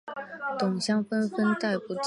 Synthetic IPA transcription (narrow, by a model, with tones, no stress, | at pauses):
t̪ʊ˨˩ŋɕjɑ˥ŋfə˥nfə˥nt̪a˥˩ɪpu˧˥ʈ͡ʂ